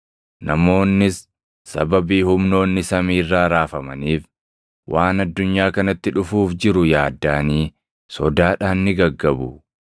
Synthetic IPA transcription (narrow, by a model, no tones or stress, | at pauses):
nɐmo̞ːnːɪsː | ɐ̰bɐbiːhʊmno̞ːnːɪsɐmiːrːaːɾaːfɐmɐniːf | wʔaːnɐd̪ːʊɲːaːkɐnɐt̪ːɪᶑʊfuːfd͡ʒɪɾʊjaːd̪ːaːniː | sɔd̪aːᶑaːnːɪɡɐɡːɐbʊ